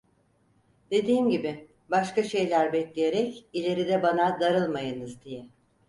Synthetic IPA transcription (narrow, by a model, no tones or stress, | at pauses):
d̪̥e̞d̪iːmɟibɪ | baʃkaʃe̞jlʲæɾbɛclʲeje̞ɾɛcilʲe̞ɾid̪ɛbanad̪aɾɯlˠmajɯnɯzd̪ijɛ